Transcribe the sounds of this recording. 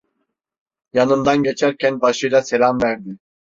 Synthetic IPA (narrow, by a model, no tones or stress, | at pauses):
janɯnd̪anɟɛt͡ʃʰæɾcʰɛnbaʃɯjlˠasɛlamvɛɾd̪ɪ